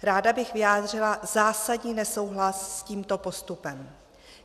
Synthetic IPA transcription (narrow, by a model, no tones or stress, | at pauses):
ɾaːdabɪxvɪjaːd̪r̝ɪlazaːsadɲiːnɛso̞wɦlassciːmt̪o̞po̞st̪upɛm